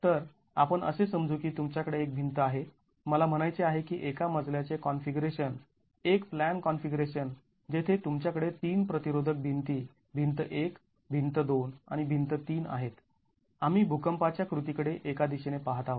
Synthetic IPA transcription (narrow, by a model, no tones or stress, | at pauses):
t̪əɾ | a̰pəɳʔə̰sesəmd͡zuːkiːt̪umt͡ɕjakəɽeːk̚bʱint̪əaɦe | məlam̤əɽ̃ajt͡seaɦekiːʔekaməd͡zljat͡sekɔnfiɡɾeɕən | ekplænkɔnfiɡɾeɕən | d͡ʑet̪ʰet̪umt͡ɕjakəɽet̪iːnpɾət̪iɾod̪ʱək̚bʱint̪iː | bʱint̪əʔek | bʱint̪əd̪ona̰ɽ̃ibʱint̪ət̪iːna̰ɦet̪ | amiːbʱukəmpat͡ɕjakɾut̪ikəɽeʔekad̪iɕenepaɦt̪aʋə